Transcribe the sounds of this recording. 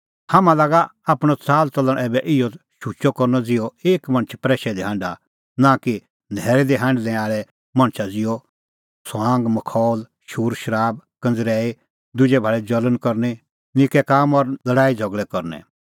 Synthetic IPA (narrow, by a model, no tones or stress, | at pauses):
hɐmãlaːɡaaːpɽ̃ɔt͡saːlt͡sɔlə̃ʔɛːbɛʔɪjɔʃut͡ʃɔkɔɾnɔd͡zɪjɔeːkmɐ̃ɽ̃ət͡ʃʰpɾɛːʃɛd̪iɦãːɳɖa | nãki | nʱɛːɾɛd̪iɦãːɳɖlɛ̃aːɭɛ | mɐ̃ɽ̃t͡ʃʰad͡zɪjɔ | sãːŋɡmɐkʰɔːl | ʃuːɾʃɐɾaːb̚kɐ̃nd͡zɾɛːi | d̪ʊd͡ʒɛbʱaɭɛd͡ʒɐlənkɔɾnɛ | nɪkɛkaːmɔɾlɐɽaːid͡zʱɔɡɭɛkɔɾnɛ̰̃